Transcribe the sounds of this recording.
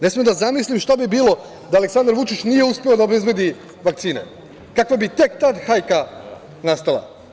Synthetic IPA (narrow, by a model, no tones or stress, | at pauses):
nesmiemd̪azamislimʃt̪abibiːlo̞ | d̪aːleksand̪aɾʋut͡ʃit͡ʃnije̞uspeo̞d̪aobe̞zbe̞d̪i | ʋak̪̚siːne̞̰ | kakʋabit̪e̞kt̪ad̪xajka | nast̪alˠa̰